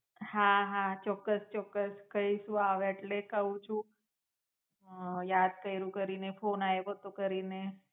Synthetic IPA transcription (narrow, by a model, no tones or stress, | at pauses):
haɦat͡ʃɔkːəst͡ʃɔkːəskəiʃũaʋeeʈlekəũt͡ʃʰũ | jad̪̚kəjɾũkəɾinefonaebot̪okəɾine